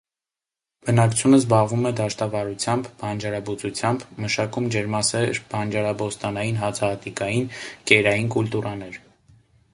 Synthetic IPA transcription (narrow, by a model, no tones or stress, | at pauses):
b̥ənɑkt͡sʰjunəzbɑʁvumɛd̪ɑʃt̪ɑvɑɾut͡sʰjɑmbbɑnd͡ʒɑɾɑbut͡sut͡sʰjɑmbməʃɑkumd͡ʒɛɾmɑsɛɾb̥ɑnd͡ʒɑɾɑbɔst̪ɑnɑjinɦɑt͡sʰɑhɑt̪ikɑjinkɛɾɑjinkult̪uɾɑnɛɾ